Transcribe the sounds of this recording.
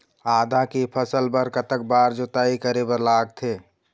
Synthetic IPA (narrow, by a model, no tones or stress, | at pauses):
aːd̪ʱakipʰəsəlbəɾkət̪ək̚baːɾd͡ʒot̪aːikəɾebəɾlaːɡ̚t̪ʰeː